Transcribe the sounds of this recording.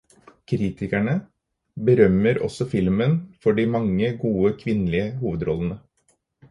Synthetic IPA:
kʰɾiːt̪ʰɪkæɳə | bəɾœməɾɔ̰sɔfɪlmənfɔɖimɑŋːəɡuːəkʰʋɪnlɪəhuːʋəd̪ɾɔlənə

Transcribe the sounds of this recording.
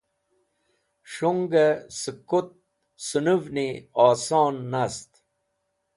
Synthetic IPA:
ʂuŋɡɐsɨkot̪̚ | sunuvniaːsoːnːast̪

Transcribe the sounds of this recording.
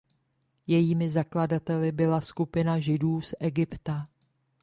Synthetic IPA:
jɛjiːmɪzakladat̪ɛlɪbɪlaskupɪnaʒɪduːsʔɛɡɪpt̪a

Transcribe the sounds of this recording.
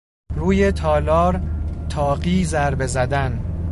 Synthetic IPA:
ruːje̞t̪ʰɒːlɒːɾt̪ʰɒːɢiːzæɾbe̞zæd̪æn

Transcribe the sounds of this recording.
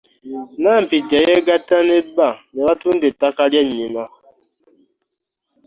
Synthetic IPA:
nam̩pid͡ʒajɛɡatanebanebatun̩detakaljɛɲima

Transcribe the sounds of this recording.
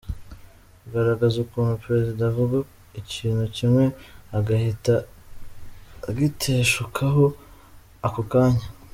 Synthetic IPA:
kuɡaɾaɡazukuːnupɾe̞zidavuɡa | iciːnhucimŋe̞aɡahita | ɡitʰeʃukʰaɦo | akokaːɲa

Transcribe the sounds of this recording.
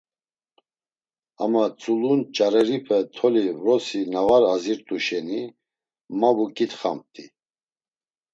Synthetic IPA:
amat͡sʼulunt͡ʃʼaɾɛɾipʰɛt̪ʰɔlivɾɔsinavaɾaziɾt̪ʼuʃɛni | mavukʼit̪χam̚t̪ʼi

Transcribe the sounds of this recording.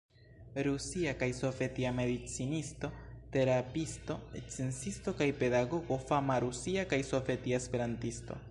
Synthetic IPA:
ɾusiakajso̞vetiame̞dit͡sinisto̞te̞ɾapisto̞et͡sensisto̞kajpe̞daɡo̞ɡo̞famaɾusiakajso̞vetiaespe̞ɾantisto̞̰

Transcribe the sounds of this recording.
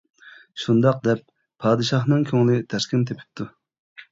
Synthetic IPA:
ʃund̪ɑq̚d̪ɛp̚ʰː | ɑːd̪ɨʃɑχnɨŋkʲʰøŋlɪt̪ʰæskʲɪnt̪ʰepʰɪ̥p̚t̪ʰːu

